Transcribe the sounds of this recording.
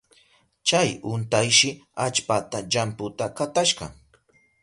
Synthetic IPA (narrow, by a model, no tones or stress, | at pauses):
t͡ʃajʊnt̪ajʃɪat͡ʃpat̪aʎampʊt̪akat̪aʃɢɑ̰